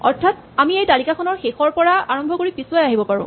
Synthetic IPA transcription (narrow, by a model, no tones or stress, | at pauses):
ɔ̰ɹtʰat̚ | amiejtalikakʰɔnɔɹxexɔɹpɔɹaaɹɔmbʱɔkoɹipisʊwajaɦibɔpaɹʊ̰̃